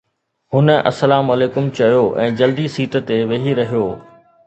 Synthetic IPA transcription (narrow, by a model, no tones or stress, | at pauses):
hʊnəɐ̰səlaːmɐleːkʊmt͡ɕɐjoʔɛ̃ːd͡ʑɐld̪isiːʈə̆t̪eʋeɦiɾɐɦijoː